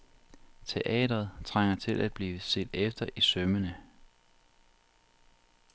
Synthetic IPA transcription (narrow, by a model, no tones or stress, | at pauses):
t͡sʰe̝ʔɛ̰ːd̥ɐð̞̩ˠt͡sʰʁaŋ̰ɐt͡sʰe̝lʔæd̥̚b̥liːʋəse̝̰ːd̥efd̥ɐʔisœmənə